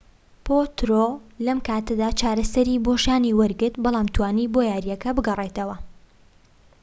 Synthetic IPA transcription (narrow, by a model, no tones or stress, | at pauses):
pʰot̪ɾolɐmkʰaːt̪ɨd̪aːt͡ʃʰaːɾɐsɐɾiboʃaːniwɐɾɡɨɾt̪̚bɑlˠaːmt̪ʰwaːniːbojaːɾjɛkɐbɨɡɐrˤet̪ɐwɐ